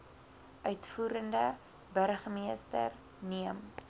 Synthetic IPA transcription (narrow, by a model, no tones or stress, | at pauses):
ʔœɥtfuːɾəndə | bərχəmiəstə̰r | niəm